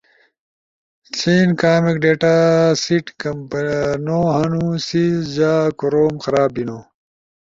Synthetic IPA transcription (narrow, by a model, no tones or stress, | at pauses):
t͡sʰiːnkaːmikɖeːʈasiʈkɐmpnoɦɐnũsid͡ʑaːkuɾoːmxɐɾaːbinoː